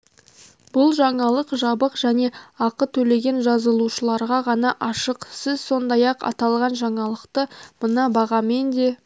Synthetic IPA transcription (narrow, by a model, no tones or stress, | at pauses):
bʊlˠʒɑɴɑlˠəqʒɑbəqʒæne̞ɑqət̪ʰɵle̞ɡʲe̞nʒɑzəlˠuʃəlˠɑɾʁɑʁɑnɑʔɑʃəqsɪzso̞nd̪ɑjɑqɑ̰t̪ɑlˠʁɑnʒɑɴɑlˠəqt̪əmənɑbɑʁɑme̞nd̪e̞